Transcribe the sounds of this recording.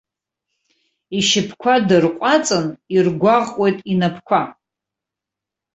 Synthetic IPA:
iʃɪpʰkʷʰadɨrqʷʼat͡sʼɨnirɡʷaʁʼwo̞jtʼinapʰkʷʰa

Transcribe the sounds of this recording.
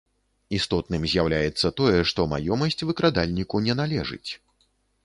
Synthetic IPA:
ist̪ɔt̪̚nɨmzʲjawlʲajɛt̪sːɐt̪ɔjɛʂt̪ɔmajɔmɐsʲt͡sʲvɨkɾad̪alʲnʲikunʲɛnalʲɛʐɨ̰t͡sʲ

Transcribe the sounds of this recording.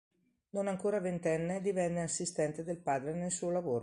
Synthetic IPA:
nonaŋkoːɾavent̪ɛnːed̪ivɛnːeasːist̪ɛnt̪ed̪elpaːd̪ɾenelsuːolavoːɾo

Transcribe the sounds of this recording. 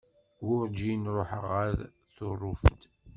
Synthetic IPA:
wʊɾd͡ʒinɾˤoħəʁaɾ | θʊrˤːʊft̪

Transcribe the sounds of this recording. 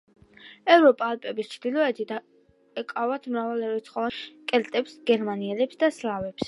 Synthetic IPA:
ɛvɾɔpʼalˠpʼɛbist͡ʃʰd̪ilˠɔɛt̪ʰit̪ | ɛkʼavat̪ʰmɾavalɛɾɛt̪sʰχɔvakʼɛlt̪ʼɛpsɡɛɾmaniɛlɛpsd̪aslavɛps

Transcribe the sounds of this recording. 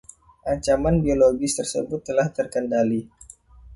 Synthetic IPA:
ʔaɲt͡ʃamanbioloɡɪst̪ərsə̰bʊt̪ːəlaht̪ərkəndali

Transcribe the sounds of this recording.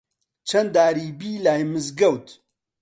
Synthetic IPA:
t͡ʃʰɐnd̪aːɾiːbiːlaːjmɨzɡɐwt̪

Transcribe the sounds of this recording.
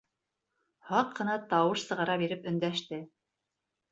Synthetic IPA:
hɑqːɤ̆nɑt̪ɑwɤʃsɤ̆ʁɑɾɑbiɾɘpɵ̆nd̪æʃt̪ɘ

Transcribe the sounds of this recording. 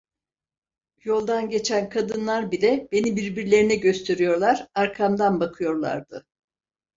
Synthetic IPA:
jo̞lˠd̪anɟe̞t͡ʃʰænkʰad̪ɯnlˠaɾbilʲɛbe̞nibiɾbiɾlʲe̞ɾinɛɟø̞st̪ʰe̞ɾijo̞ɾlˠaɾ̥aɾkʰamd̪anbakʰɯjo̞ɾlˠa̰ɾd̪̥ɯ

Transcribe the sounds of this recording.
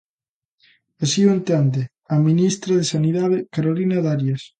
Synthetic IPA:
esioent̪end̪e | aminist̪ɾaðesaniðaðekaɾolinaðaɾjes

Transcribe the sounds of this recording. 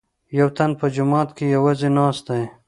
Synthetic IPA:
jawt̪anpəd͡ʒʊmɑːt̪kejawazenɑːst̪aj

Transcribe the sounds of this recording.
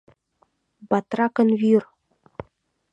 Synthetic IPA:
bɑt̪rɑkɤ̆nvyr

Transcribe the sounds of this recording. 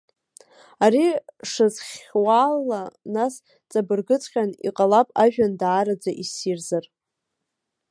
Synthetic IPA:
aɾiʂɨzχʲwalːanas | t͡sʼabɨrɡɨt͡sʰʼχʲanḭqʼalapʼaʒᶣandaːɾad͡zaʔisirzar

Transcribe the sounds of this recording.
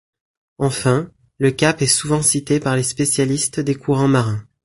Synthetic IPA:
ɑ̃fɛ̃ | ləkʲapɛsuvɑ̃sit̪epaʁlespesjalist̪d̪ekʰuʁɑ̃maʁɛ̃

